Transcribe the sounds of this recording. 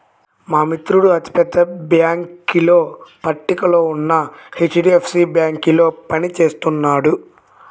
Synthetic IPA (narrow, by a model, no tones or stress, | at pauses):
maːmit̪ɾuɽuɐt̪i̥pɛd̪ːɐbjaːŋkilo̞ːpɐʈːikɐlo̞ːunːɐhet͡ʃːɖiːepʰsiːbjaːŋkilo̞ːpɐnit͡ʃe̞ːst̪unːaːɽu